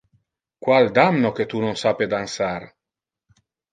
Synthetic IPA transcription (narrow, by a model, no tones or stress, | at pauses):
kwald̪amnoket̪unonsaped̪ansar